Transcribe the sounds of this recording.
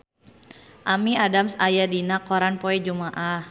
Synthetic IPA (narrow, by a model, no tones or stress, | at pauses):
ʔamiadamsajadinakːɔɾanpoɛd͡ʒumaʔah